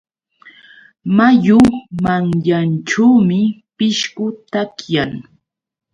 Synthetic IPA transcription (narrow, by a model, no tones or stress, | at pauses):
majʊmaŋjanʈ͡ʂawmɪpɪʃkʊt̪akjaŋ